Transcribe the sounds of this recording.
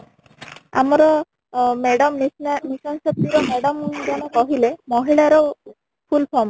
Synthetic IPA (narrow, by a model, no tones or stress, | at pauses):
a̰mɔɾɔ | meɽɔmnisɔnsɔp̚t̪iɾɔmeɽɔmd͡ʒɔñɔkɔɦilemɔɦiɭaɾɔ | pʰulpʰɔm